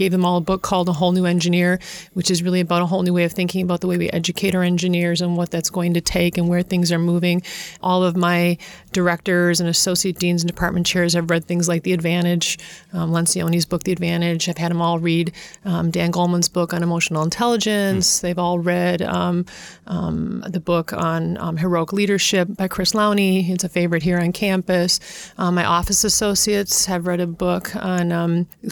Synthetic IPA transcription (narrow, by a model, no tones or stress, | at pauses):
ɡeɪvðɨ̃mɔlˠəbʊkʰɔlˠdəɦoʊlˠnʉɛ̃nd͡ʒɨnɪɹwɨt͡ʃɨzɹɪlˠiɨbaʊɾəɦoʊlˠnʉweɪʌv̥θɪ̃ŋkɪ̃ŋɨbaʊðəweɪwḭʔɛ̰d͡ʒɨkʰeɪɾə˞ɛ̃nd͡ʒɨnɪɹzə̃nwʌt̪̚ðɨtsɡ̥oʊɪ̃ŋtɨtʰeɪkɨ̃nwə˞θɪ̃ŋzə˞muvɪ̃ŋʔɔlˠʌvmaɪd̥ə˞ɛk̚tə˞zɨ̃nɨsoʊsieɪt̚d̥ĩnzn̩dɨpʰɑɹt̚mɨ̃nt͡ʃʰɛɹz̥ɨvɹɛd̪̚θɪ̃ŋzlaɪk̚ðiɨdvæ̃ɾ̃ɪd͡ʒ̥lɛ̃nsiõʊ̃ñizbʊk̚ðiɨdvæ̃ɾ̃ɪd͡ʒaɪv̥ɨɾ̚ə̃mɔlˠɹiddæ̃nɡoʊlˠmə̃nzbʊkn̩əmoʊʃn̩l̩ˠə̃ntʰɛlˠəd͡ʒɨ̃nsðeɪvɔlˠɹɛd | ðɨbʊkn̩ɦə˞oʊəkliɾə˞ʃɪp̚b̥aɪkʰɹ̥ɪslãʊ̃niɨtsɨfeɪvə˞ɨt̚ɦiɹɨ̃nkʰæ̃mpɨsmaɪʔɔfɨsɨsoʊsiɨtshɨvɹɛɾɨbʊkʰn̩